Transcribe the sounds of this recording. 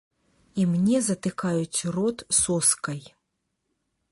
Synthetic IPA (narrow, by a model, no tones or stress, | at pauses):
imnʲɛzɐt̪ɨkajut͡sʲrɔt̪sɔskɐj